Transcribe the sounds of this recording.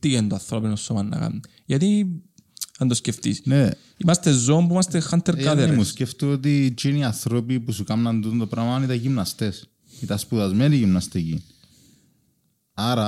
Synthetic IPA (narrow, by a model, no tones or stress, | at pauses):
t̪iʝent̪oɐθɾopinosːomɐnːɐ̰kɐ̰mːi | ʝɐt̪i | ɐnd̪osceft̪ḭsne | imɐst̪ezomp̬uimɐst̪exɐnt̪ːeɾkɐðemusceft̪oot̪it͡ʃiniɐθɾopipusukɐmnɐnd̪ut̪nt̪opɾɐvmɐɐnit̪ɐʝimnɐst̪es | it̪ɐspuðɐzment̪iʝimnɐst̪ici | ɐɾɐ